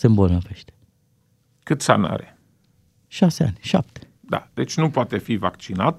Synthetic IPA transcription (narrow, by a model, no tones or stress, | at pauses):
sɨnbonəveʃt̪e̥ | kɨt̪sa̰na̰ɾe | ʃasea̰nʲʃa̰p̚t̪e̥ | d̪a̰d̪̥e̞t͡ʃʲnupoat̪e̞fivakt͡ʃinat̪